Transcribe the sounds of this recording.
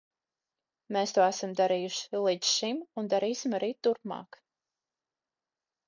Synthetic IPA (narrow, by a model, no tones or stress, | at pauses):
meːst̪uɔæsamd̪aɾiːjuʃi̥lˠit̪ʃimund̪aɾiːsimaɾiːt̪uɾpmɑ̰ːk